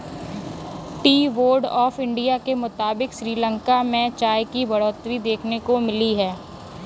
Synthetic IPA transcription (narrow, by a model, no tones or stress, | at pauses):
ʈiːʋoːɾɖɔːfɪ̃ɳɖijakemʊt̪aːbɪkʃɾiːlə̃ŋkamẽt͡ʃaːjkibɐɽɔːt̪ɾid̪eːkʰnekomɪliɦɛː